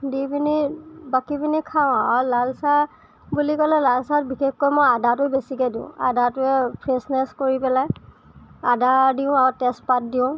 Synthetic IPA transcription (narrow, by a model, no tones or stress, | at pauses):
dibinibakibinikʰaʊ̃alalsa | bulikɔlɛlalsat̚bixexkojmojadatʊbesikɛdĩʊ̰̃a̰datʊɛpʰɹesnɛskoɹipɛlaj | adadiʊ̃aɹtɛstpat̚diʊ̃